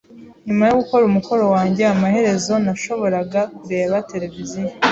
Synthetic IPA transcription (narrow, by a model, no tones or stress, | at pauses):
ɲumajoɡuko̞ɾumuko̞ɾo̞waːɲɟe̞amahe̞ɾe̞zo̞naʃo̞βo̞ɾaɡakuɾe̞ːβate̞ɾe̞vizio